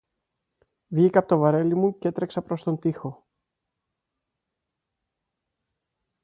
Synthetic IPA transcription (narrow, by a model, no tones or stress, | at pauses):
vʝikɐpot̪ovɐɾe̞limuce̞t̪ɾe̞ksɐpɾo̞st̪o̞nt̪ixo̞